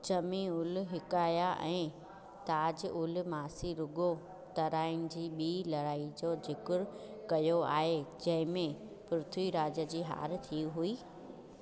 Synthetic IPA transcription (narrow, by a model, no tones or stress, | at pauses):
t͡ɕɐmĩʊlʊɦɪkaːjaʔɛ̃ː | t̪aːd͡ʑʊlʊmaːsiɾʊɡo | t̪ɐɾaːɪñɪ̆d͡ʑiːɓiːlɐɽaːid͡ʑod͡ʑɪkʊɾkɐjoa̰ːɦed͡ʑɐ̃ɦɪ̃mẽ | pɾʊt̪ʰwiɾaːd͡ʑə̆d͡ʑiːɦa̰ːɾt̪ʰiɦuiː